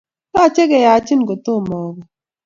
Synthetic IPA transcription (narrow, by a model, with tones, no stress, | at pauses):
ka˦˨t͡ʃe˦ɡɛ˨ja˨˦t͡ʃi˦nɡo˨t̪o˦˨mɔ˨ɡɔ˨